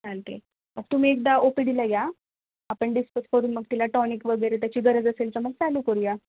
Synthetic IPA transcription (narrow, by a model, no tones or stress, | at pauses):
t͡salt̪ḛ | məɡ̚t̪um̤iːek̚d̪aopid̪ilaja | apəɳɖispət̪kəɾuːnməɡ̚t̪ilaʈɔnikʋəɡəjɾet̪jat͡ɕiːɡəɾəd͡zəselt͡səməɡt͡salukəɾuja